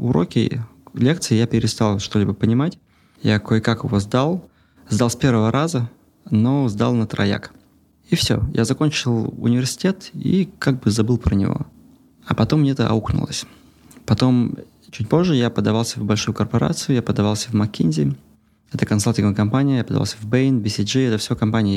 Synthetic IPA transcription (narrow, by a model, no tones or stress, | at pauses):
ʊɾokʲɪ̰lʲekt̪sɨɪjapʲɪɾʲɪst̪alˠʂt̪o̞lʲɪbəpənʲɪmatʲ | jakojɪkakɪvo̞zd̪alˠ | zd̪alˠsʲpʲe̞rvəvəɾʔazə | no̞zd̪a̰lˠnət̪ɾɐ̰ja̰k | ifsʲo̰jʔa̰zɐkonʲt͡ɕɪlˠʊ̰nʲɪvʲɪrsʲɪ̥tʲe̞t̪ḭkaɡ̚bɨzɐbɨlˠpɾənʲɪ̰vo̞̰ | ɐpɐt̪omːnʲeɛt̪əʔɐ̰uknʊ̰lˠə̰sʲ | pɐt̪o̞m | t͡ɕut̚ʲpo̞ʐːɨjapəd̪ɐvalˠsʲəvbɐlʲʂujʊkərpɐɾa̰t̪sɨjʊjapəd̪ɐvalˠsʲəvmɐkʲːinʲzʲɪ | ɛt̪əkɐnsalʲˠtʲɪnɡəvkɐmpanʲɪəjapəd̪ɐva̰lˠsʲəvbeɪnbʲɪsʲɪʐɨɛt̪əfsʲɪvokɐmpanʲɪjə